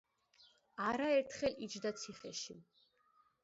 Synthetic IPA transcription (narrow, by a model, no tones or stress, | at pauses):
aɾaɛɾt̪ʰχɛlit͡ʃʰd̪at̪sʰiχɛʃḭ